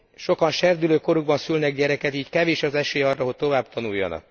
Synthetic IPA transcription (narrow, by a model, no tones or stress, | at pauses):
ʃo̞kɒnʃɛrd̪yløːko̞ɾuɡ̚bɒnsylnɛɡɟɛɾɛkɛt̪iːckɛveːʃɒzɛʃeːɒrːɒɦo̞c̚t̪o̞vaːbt̪ʰɒnujːo̰nɒ̰k